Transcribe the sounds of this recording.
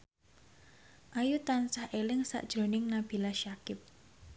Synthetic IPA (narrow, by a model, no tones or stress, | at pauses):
ʔajut̪ansahʔelɪŋsa̰ʔd̥ʒ̥ɾo̤nɪŋnab̥i̤laʃakɪp̚